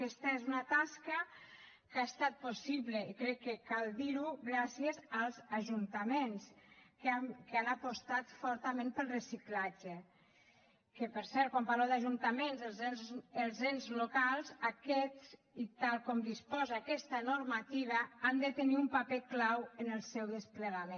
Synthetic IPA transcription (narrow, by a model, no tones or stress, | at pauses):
kɛst̪aezunat̪askə | kaest̪at̪̚posiβleikɾɛkːekalˠd̪iɾuɣɾasiezalˠzaʒunt̪amenskamkəanapost̪at̪fɔɾt̪amẽmpəlˠrəsiklad͡ʒe | kəpəɾsɛɾt̪̚kwampaɾlewd̪aʒunt̪amenzəlˠzenzəlˠzenzlokalˠzakɛ | it̪alˠkɔmd̪ispɔzaːkɛst̪anoɾmat̪iβ̞aand̪ət̪əniumpapeklawənəlˠsɛwðəspləɣamẽ